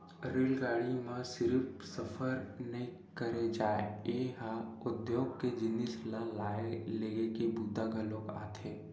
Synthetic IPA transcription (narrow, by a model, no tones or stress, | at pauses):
ɾeːlɡaːɽimãsɪɾpsɐfʰəɾnɐɦĩ | kəɾed͡ʒaːeeːɦaʊd̪joːɡked͡ʒɪnislalaːeleːɡekebud̪ʱaɡʱəlõːka̰ːt̪ʰeː